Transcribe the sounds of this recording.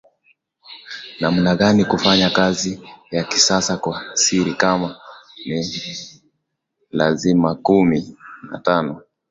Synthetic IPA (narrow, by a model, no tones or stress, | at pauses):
nam̩naɠanikufaɲakazijakisasakwasiɾikamani | la̰zimakumina̰tanɔ